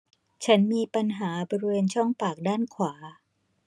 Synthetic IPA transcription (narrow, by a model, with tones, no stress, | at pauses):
t͡ɕʰa˦˥nmiː˧pa˧nɦaː˩˦bɔː˧ɾi˧weː˧nt͡ɕʰɔ˥˩ŋpaː˨˩k̚daː˥˩nkʰwaː˩˦